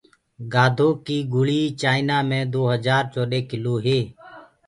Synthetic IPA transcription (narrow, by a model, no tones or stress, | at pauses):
ɡaːd̪ʱoːkiːɡʊɭiːt͡ʃaːɪnaːmẽːd̪oːɦəzaːɾt͡ʃoːɗeːkɪloːɦeː